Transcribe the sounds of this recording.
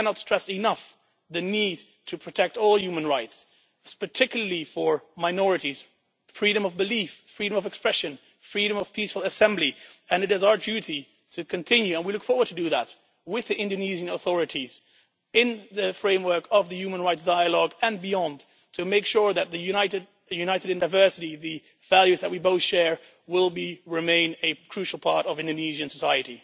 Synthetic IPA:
kʰænətstɹ̥ɛsɨnʌf | ðɨnid̚ | tʰɨpʰɹ̥ɨtʰɛk̚tɔlˠjʉmɨ̃nɹaɪts | pʰə˞tʰɪkjl̩ˠə˞lifə˞maɪnɔɹɨɾiz̥ | fɹiɾɨ̃mʌvbɨliffɹiɾɨ̃mʌvɨkspɹɛʃɨ̃n | fɹiɾɨ̃mʌv̥pʰisfl̩ˠəsɛ̃mbliɨ̃nɨɾɨzaʊə˞dʉɾi | ɾʰɨkʰɨ̃ntʰɪ̃njʉə̃nwilʊkfɔɹwə˞d̚tʰɨdɨðə̰t̚ | wɪðiʔɪ̃ndɨniʒɨ̃nəθɔɹɨɾiz̥ | ɪ̃nðɨfɹẽɪ̃mwɜ˞kʰʌvðɨjʉmə̃nɹaɪtsd̥aɪəlɔɡɨ̃nbiɑ̃nd | tʰɨmeɪkʃʊɹðɨt̪̚ðɨjʉnaɪɾɨd̚ | jʉnaɪɾɨɾɨ̃naɪvɜ˞sɨɾiðɨ | vælˠjʉzðɨt̚wiboʊθʃɛɹ | wɪlˠbiɹɨmẽɪ̃nɨkʰɹ̥ʉʃl̩ˠpʰɑɹɾʌvɪ̃ndɨniʒɨ̃nsəsaɪɨɾḭ

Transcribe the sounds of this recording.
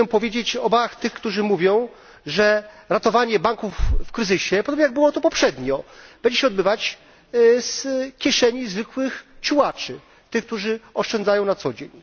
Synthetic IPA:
ɛmpɔvʲjed͡ʑet͡ɕɔbaxt̪ɘxkt̪uʐɘmuvʲjɔ̃w̃ | ʐɛ | ɾat̪ɔvaɲɛbaŋkufːkɾɘzɘɕɛpɔd̪ɔbɲejaɡ̚bɘwɔt̪ɔpɔpʂɛd̪ɲɔb̥ɛɲd͡ʑɛɕɛɔd̪̚bɘvat͡ɕ | skʲjɛʂɛɲizvɘkwɘxt͡ɕuwat͡ʂɘ | t̪ɘxk̚t̪uʐɘɔʂt͡ʂɛndzajɔ̃w̃nat̪sɔd͡ʑeɲ

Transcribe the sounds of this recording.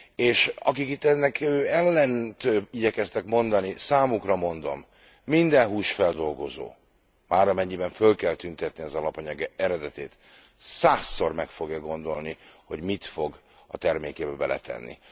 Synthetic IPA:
eːʃɒ̰kikit̪ːɛnːɛkøːɛlːɛnt̪øiɟɛkɛst̪ɛkmo̞nd̪ɒnisaːmukrɒmo̞nd̪o̞̰mː | ind̪ɛnɦuːʃfɛld̪o̞lɡo̞zo̰ː | maːɾɒmɛɲːibɛɱfølkɛlt̪ynt̪ɛt̪niɒzɒlɒpɒɲɒɡɛɛɾɛd̪ɛt̪ḛːt̪ | saːsːo̞rmɛkfo̞ɡjɒɡo̞nd̪o̞lniho̞ɟmit̪fo̞ɡ | ɒ̰t̪ɛrmeːkeːbɛbɛlɛ̰t̪ʰɛ̰nːḭ

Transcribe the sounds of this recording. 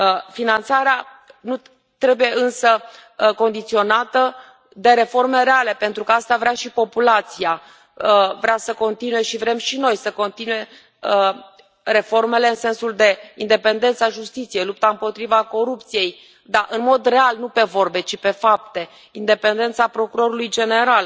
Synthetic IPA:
finant̪saɾea | nu | t̪ɾe̞buje̞ʔɨnsəko̞nd̪it̪sio̞nat̪ə | d̪e̞ɾe̞fo̞rme̞ɾeale̞pe̞nt̪ɾukəast̪avɾeaʃipo̞pulat̪sia | əvɾeasəko̞nt̪inuje̞ʃivɾe̞mʃino̞jsəko̞nt̪inuje̞ | ə | ɾe̞fo̞rme̞le̞ɨnse̞nsuld̪e̞ind̪e̞pe̞nd̪e̞nt̪saʒust̪it̪sije̞jlup̚t̪aɨmpo̞t̪ɾivako̞ɾup̚t̪sije̞j | d̪aʔɨnmo̞d̪re̞alnupe̞vo̞rbe̞t͡ʃipe̞fap̚t̪e̞ | ind̪e̞pe̞nd̪e̞nt̪sapɾo̞kuɾo̞ɾulujd͡ʒe̞ne̞ɾal

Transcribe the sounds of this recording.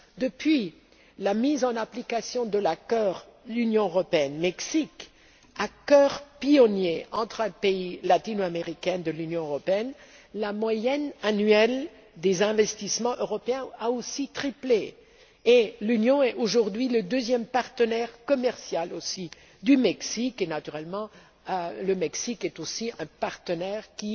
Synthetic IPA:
d̪əpɥi | lamizɑ̃naplikasjɔ̃d̪əlakɔʁ | lynjɔ̃øʁɔpeɛnmɛksik | akɔʁpiɔnjeɑ̃t̪χɛ̃peilat̪inoameʁikʲɛnd̪əlynjɔ̃øʁɔpeɛn | lamwajɛnanɥɛl | d̪ezɛ̃vɛst̪ismɑ̃ʔøʁɔpeɛ̃aosit̪χiple | elynjɔ̃ɛoʒuʁd̪ɥiləd̪øzjɛmpaʁt̪ənɛʁkɔmɛʁsjalosi | d̪ymɛksikenat̪yʁɛlmɑ̃ | ləmɛksikɛt̪osiɛ̃paʁt̪ənɛʁkʲi

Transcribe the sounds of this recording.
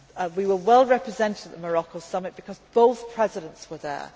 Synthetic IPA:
wiwəwɛlˠɹɛpɹɪzɛ̃ntɪdəðəməɹɒkoʊsʌmɪt̚b̥ɪkʰɒzb̥oʊθpʰɹ̥ɛzɪɾə̃ntswəðə̰

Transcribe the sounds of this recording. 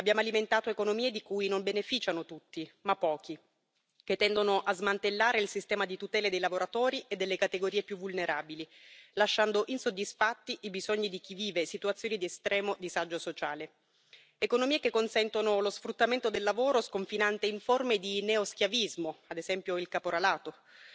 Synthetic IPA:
abːjaːmoaliment̪aːt̪oekonomiːed̪ikuːinombenefiːt͡ʃanot̪ut̪ːimapːɔːki | ket̪ːɛnd̪onoʔazmant̪elːaːɾeilsist̪ɛːmad̪it̪ut̪ɛːled̪ejlavoɾat̪oːɾiʔed̪ːelːekat̪eɡoɾiːepjuvulneɾʔaːbililaʃːand̪oʔinsod̪ːisfat̪ːiʔibizoɲːid̪ik̟iviːvesit̪uat̪sːjoːnid̪iest̪ɾʔɛːmod̪isad͡ʒːosot͡ʃaːle | ekonomiːekekːonsɛnt̪onolosfɾut̪ːament̪od̪elːavoːɾoskoɱfinant̪eiɱformed̪ineosk̟javizmoad̪ezɛmpjoilkapoɾalaːt̪o

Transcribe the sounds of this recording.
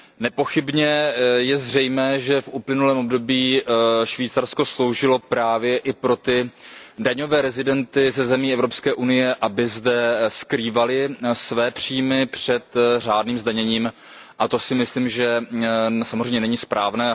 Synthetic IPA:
nɛpo̞xɪbɲɛjɛzr̝ɛjmɛːʒɛfʔuplɪnulɛːmʔobdo̞biːʃviːt͡saɾsko̞slo̞wʒɪlo̞pɾaːvjɛʔɪpɾo̞t̪ɪdaɲo̞vɛːɾɛzɪdɛnt̪ɪzɛzɛmiːɛvɾo̞pskɛːʔunɪjɛʔabɪzdɛskɾiːvalɪsvɛːpr̝̥iːmɪpr̥ɛt̪r̝aːdniːmzdaɲɛɲiːm | ʔat̪o̞sɪmɪsliːmʒɛ | samozreɛjɲɛnɛɲɪspɾaːvnɛː

